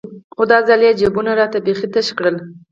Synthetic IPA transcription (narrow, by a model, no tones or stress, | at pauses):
xʊd̪ɑzaled͡ʒabunaɾɑt̪abexit̪əʃkɽəl